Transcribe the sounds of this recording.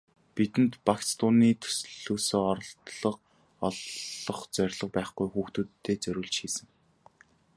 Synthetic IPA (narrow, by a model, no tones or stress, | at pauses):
pit̪ɘ̆nt̪pakst̪ʰʊniːt̪ʰɵ̥sɮ̥oːsoːɔɾɞ̆ɬt̪ɮɞ̆q̚ | ɔɮɞ̆χt͡sœɾʲɮɞ̆q̚pæːχɡujxuːxt̪uːt̪ʰːeːt͡sœɾʲɵːɮt͡ɕxiːsɘ̆ŋ